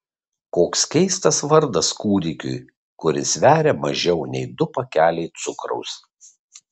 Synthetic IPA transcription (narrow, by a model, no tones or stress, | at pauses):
koːkskʲɛɪst̪ɐsʋɐɾd̪ɐskuːd̪ʲɪkʲʊ̰j | kʊɾʲɪsʋʲæːɾʲemɐʒʲɛʊnʲɛɪd̪ʊpɐkʲæːlʲɛɪt̪sʊkɾɔ̰ʊs